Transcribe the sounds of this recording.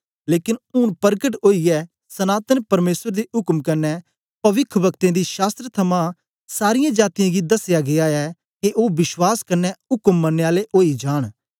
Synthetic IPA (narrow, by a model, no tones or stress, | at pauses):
leːkɪnʊnpɐɾɡəʈoːiɛ | sɐnaːt̪ənpɐɾmeːsəɾd̪iʊkmkɐɾnːɛ | pɐʋɪkʰbɐkt̪ẽd̪iʃaːst̪ɾət̪ʰɐmã | saːɾɪjãd͡ʒaːt̪ijãɡid̪ɐsjaɡeaɛ | keʔoːbɪʃwaːskɐɾnːɛʊkəmːɐnːeːaːleʔoːid͡ʒaːɽ̃